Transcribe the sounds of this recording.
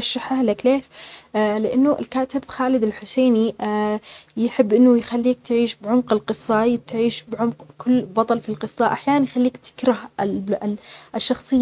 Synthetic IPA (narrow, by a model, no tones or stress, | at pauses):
ɑʃːaħahlakleːʃlɪʔanːʊʔɪ̰lkaːt̪ɪbxaːlɪd̪ɪlħʊseːni | jɪħɪbːʔɪnːʊjxalːiːk̚t̪ʕiːʃbʕʊmqɪlqɨsˤːɑt̪ʕiːʃbʕʊmqkʰʊlːbɑt̪ˤɑlfilqɨsˤːɑʔaħjaːnanjxalːiːkt̪ɪ̥kɾɑh | ʔɪʃːɑxsˤɨjː